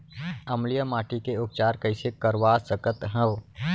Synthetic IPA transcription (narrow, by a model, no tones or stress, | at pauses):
ɐmlijəmaːʈikeʊk̚t͡ʃaːɾkəɪsekəɾʋaːsəkət̪ɦə̃ʋ